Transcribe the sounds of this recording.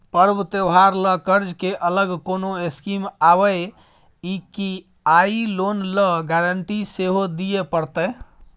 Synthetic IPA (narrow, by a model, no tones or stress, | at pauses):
pəɾbt̪ewɦaɾləkəɾd͡ʒkeʔələɡkonoeskimabəj | iki | ailonləɡaɾəɳʈiseɦod̪ijepəɾt̪əj